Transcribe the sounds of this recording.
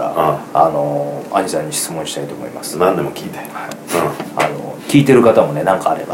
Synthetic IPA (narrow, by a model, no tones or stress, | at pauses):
a̰ano̞aɲisãɲ̟ːiɕi̥t͡sɨmõ̞ɕi̥t̪ait̪o̞ːmo̰ḭmasɨ̥nãnd̪e̞mo̞kʲiːt̪e̥haĩa̰no̰kʲiːt̪e̞ɾɯ̟kat̪amo̞ne̞nãŋkaːɾe̞̰ba̰